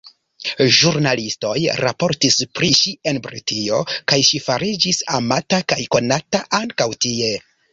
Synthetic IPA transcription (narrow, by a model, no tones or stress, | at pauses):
ʒuɾnalisto̞jɾapo̞ɾtispɾiʃie̞nbɾḭtʰio̞kajʃifaɾid͡ʒisamatakajko̞nataʔaŋkawtie̞